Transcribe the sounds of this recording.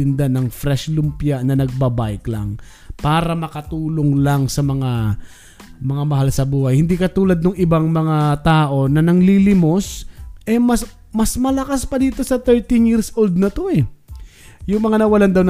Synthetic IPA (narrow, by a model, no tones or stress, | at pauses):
ɪnd̪anɐŋfɾɛʃlʊmpjanɐnɐɡ̚bɐbajklɐ̰ŋ | paːɾɐmɐkɐt̪uːloŋlaŋsɐmɐŋa | mɐŋamɐɦalsɐbuːhɐjhɪnd̪iːkɐt̪uːlɐd̪̚noŋɪbaŋmɐŋat̪aːʔo̞nɐnɐŋlilɪmo̞sʔɛmɐs | mɐsmɐlɐkaspɐd̪iːt̪o̞sɐt̪ɛɹt̪ɪnjiɾsʔold̪̚nɐt̪o̞ɛ | jʊŋmɐŋanɐwɐland̪ɐwn